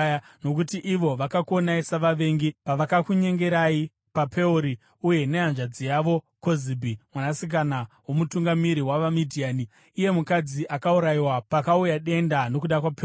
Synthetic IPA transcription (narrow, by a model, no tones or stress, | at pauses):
no̞k̬utiʔiʋo̞ʋakakonaisaʋaʋe̞ŋɡipaʋakakuɲe̞ŋɡe̞ɾai | papʰe̞uɾi | uje̞ne̞ɦanʐad͡zijaʋo̞ | ko̞zibʱimwanasik̬anawo̞mutuŋɡamiɾiwaʋamidʱiaːniː | je̞mukad͡ziʔakauɾaiwapakaujaɗe̞ndano̞kuɗakwape